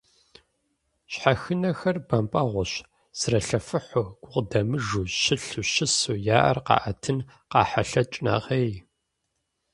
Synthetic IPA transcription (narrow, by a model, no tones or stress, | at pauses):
ɕħaxɨnɐxɐrbɐmpʼɐʁʷʊɕ | srɐɬɐfɨħʊɡ̥ʷʊqdɐmɨʒuːʃɪɬuʃɪsujaːʔɐ̰rqɑ̰ːʔɐtʰɨn | qɑːħaɬɐt͡ʃʼna̰ʁeːj